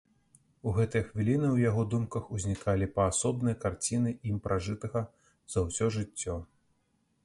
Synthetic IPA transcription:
uɣɛt̪ɐjɐxvʲilʲinɨwjaɣɔd̪umkɐxuzʲnʲikalʲipɐːsɔbnɨjɐkart͡sʲinɨʔimpɾʔaʐɨt̪ɐɣɐ | z̥ɐwsʲɔʐɨt͡sʲːɔ

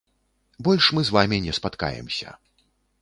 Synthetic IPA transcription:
bɔlʲʂmɨzvamʲinʲɛspat̪ka̰jɛ̰msʲɐ̰

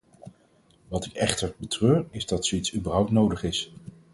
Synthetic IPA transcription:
ʋɑtɪkɛχtəɹbətrøːɹɪzdɑtsoitsybəɹɦʌwptnowdəχɪs

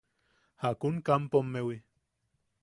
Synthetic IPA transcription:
hakunkampomːewi

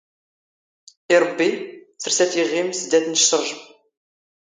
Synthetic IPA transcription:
iɾˤbːiθəɾsæθəʁːimsəd̪æθnəʃt̪əɾˤʒəm

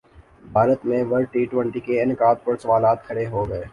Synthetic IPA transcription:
bʱaːɾət̪mẽʋɐɾʈiːʈwə̃ɳʈikeɪnɪkaːd̪̚pəɾsɐʋaːlaːt̪̚kʰɐɽeɦoɡɐeː

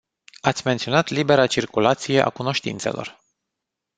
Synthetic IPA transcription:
at̪sʲme̞nt̪sio̞nat̪libe̞ɾat͡ʃirkulat̪sije̞ʔa̰kuno̞ʃt̪ḭnt̪se̞lo̞̰r

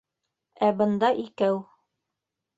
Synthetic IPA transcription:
æbɤ̆nd̪ɑʔikæw

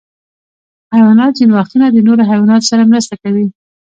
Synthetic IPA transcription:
hajwɑnɑt̪zinwɑxt̪unad̪ənoɾoɦajwɑnɑt̪o̥saɾamɾəst̪akawi

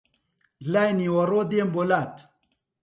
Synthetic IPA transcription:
lajniwɐɾod̪embolaːt̪

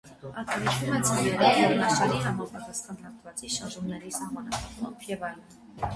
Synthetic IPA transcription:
ɑt̪ɑɾit͡ʃʰvumɛt͡sʰɑnɛɾiɛɾɔnɑʃɑɾiɦɑmɑpʰɑt̪ɑsχɑnhɑɾt̪ʰvɑt͡siʃɑɾʒumnɛɾisɑhmɑnɑpʰɑχɔpʰjɛvɑɾ

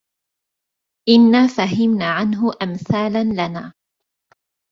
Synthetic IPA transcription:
ʔɪnːaːfaɦɪmnaːʕanɦʊʔamθaːlanlanaː

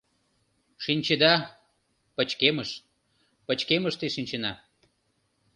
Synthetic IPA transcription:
ʃinʲt͡ɕed̪ɑ | pət͡ɕkeməʃ | pət͡ɕkeməʃt̪eʃinʲt͡ɕenɑ

